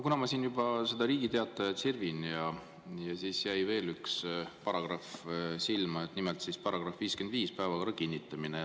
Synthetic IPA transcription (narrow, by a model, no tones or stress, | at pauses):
kunɑmɑsiːnjubɑse̞d̪̥ɑɾiːɡit̪e̞ɑt̪ːˑɑjɑt̪sirvinjɑ | jɑsiːsjæjve̞ːlykspɑɾɑɡ̥rɑfsilmɑet̪nimelt̪sispɑɾɑɡ̥rɑfviːskend̪viːspæevɑkɑɑkinʲːit̪ːˑɑmine